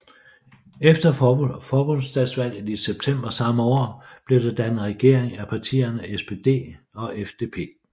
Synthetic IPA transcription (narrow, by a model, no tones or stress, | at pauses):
efd̥ɐfɒːb̥ɔ̽n̰sd̥ɛd̥sʋæl̰jð̩ˠiseb̥̚t͡sʰem̰b̥ɐsɑ̈məɒ̰ːb̥le̝ɐd̥ɑd̥ænð̩ʁɛɡ̥e̝ɐ̰eŋæpʰɑ̈t͡sʰḭːɐnəesb̥e̝d̥e̝̰ː | ɒ̽ʔefd̥e̝ːpʰe̝̰ː